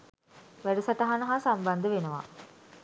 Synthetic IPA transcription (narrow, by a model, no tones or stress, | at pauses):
ʋæɖəsaʈaɦanəɦasamband̪əʋenəʋa̰